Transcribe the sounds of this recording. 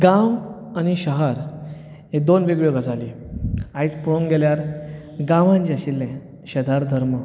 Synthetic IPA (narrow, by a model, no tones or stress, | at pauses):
ɡãw | añiɕəɦəɾ | ɦed̪onʋeɡɭjoɡəd͡zali | ait͡spuɭoŋɡeljaɾ | ɡãʋãɲt͡ɕiaɕilːɛ̃ | ɕəd̪ʱaɾd̪ʱəɾmə